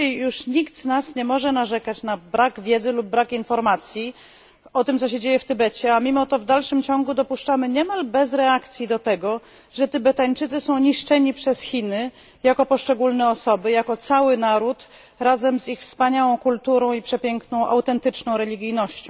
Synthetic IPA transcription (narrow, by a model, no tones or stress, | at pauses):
uʂɲikd̪znasɲɛmɔʐɛnaʐɛkat͡ɕnabɾaɡvʲjɛd̪zɘlub̚ːɾakinfɔɾmat̪sʲji | ɔt̪ɘmt̪sɔɕɛd͡ʑejɛft̪ɘbɛt͡ɕɛamʲimɔt̪ɔvd̪alʂɘmt͡ɕɔŋɡud̪ɔpuʂt͡ʂamɘɲɛmalbɛzɾɛakt̪sʲjid̪ɔt̪ɛɡɔ | ʐɛt̪ɘbɛt̪aɲt͡ʂɘt̪sɘsɔ̃w̃ɲiʂt͡ʂɛɲipʂɛsxʲinɘ | jakɔpɔʂt͡ʂɛɡulnɛɔsɔbɘjakɔt̪sawɘnaɾut̪ | ɾazɛmzixfspaɲawɔ̃w̃kult̪uɾɔ̃w̃ipʂɛpʲjɛŋknɔ̃w̃ʔa̰wt̪ɛnt̪ɘt͡ʂnɔ̃w̃ɾɛlʲiɡʲijnɔɕt͡ɕɔ̃